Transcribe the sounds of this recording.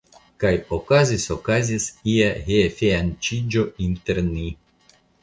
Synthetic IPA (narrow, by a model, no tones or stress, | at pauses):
kajokazisokazisiahefeant͡ʃid͡ʒoint̪eɾni